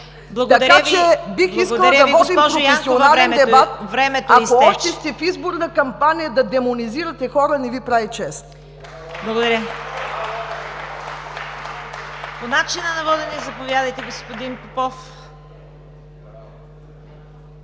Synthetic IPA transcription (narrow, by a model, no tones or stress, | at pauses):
blˠɐɡt̪ɐd̪ɐɾat͡ʃɛbixisəlɐd̪ɐvɔd̪impɾɾofɛssionalɾɛnd̪ɛbat̪̚vɾɛmɛt̪aoɔʃt̪ɛst̪ɛfizboɾnɐkɐmpanijəd̪ɐd̪ɛmoniziɾɐt̪ɛxɔɾɐnɛvipɾavit͡ʃɛst̪ | blˠɐɡod̪ɐɾʲjə | ponat͡ʃinənɐvɔd̪ɛnɛzɐpovjad̪ɐjt̪ɛɡospod̪inpɛpɔf